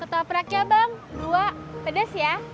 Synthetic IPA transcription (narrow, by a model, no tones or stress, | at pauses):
kət̪apəɾakiabaŋduapədəsja